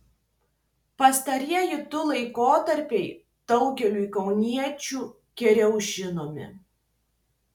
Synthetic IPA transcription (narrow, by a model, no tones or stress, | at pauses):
pɐst̪ɐɾʲiɛjɪt̪ʊlˠɐɪkoːt̪ɐɾʲpʲɛɪ | d̪̥ɐʊɡʲɛlʲuːɪkɒʊnʲiɛt͡ʃʲuː | kʲɛɾʲɛʊʒʲɪnoːmʲɪ̰